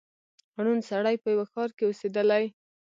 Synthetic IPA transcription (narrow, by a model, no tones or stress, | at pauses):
ɽ̃unsaɽajpəjawaxɑɾkeosed̪əlaj